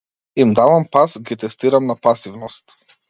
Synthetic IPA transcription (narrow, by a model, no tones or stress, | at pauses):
imd̪avampasɡit̪ɛst̪iɾamnapasivnɔst̪